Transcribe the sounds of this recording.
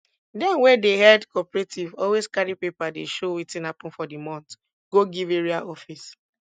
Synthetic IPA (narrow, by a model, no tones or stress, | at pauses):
dɛ̃nwɛ̃dehɛdkɔpɹetʰivɔlweskaɹipepadeʃowitĩnapɔ̃nfɔdimɔ̃nt | ɡ̥oɡiveɹiaʔɔfis